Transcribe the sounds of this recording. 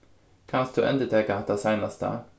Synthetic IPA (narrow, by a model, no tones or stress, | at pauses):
kʰɑnstd̪ʉːʔɛ̰nd̪ət̪ʰeːkaɑt̪d̪æsæɪnast̪ə̰